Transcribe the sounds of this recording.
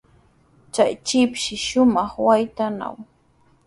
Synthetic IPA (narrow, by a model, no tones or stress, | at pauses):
t͡ʃajt͡ʃɪpʃɪʃʊmɑχwajt̪ana̰w